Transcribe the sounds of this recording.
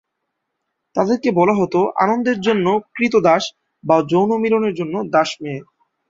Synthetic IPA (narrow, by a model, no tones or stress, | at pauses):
t̪ad̪eɾkebɔlaɦot̪oʔa̰nond̪eɾd͡ʑonːokɾit̪̬od̪aʃ | bad͡ʑownomiloneɾd͡ʑonːod̪aʃmẽ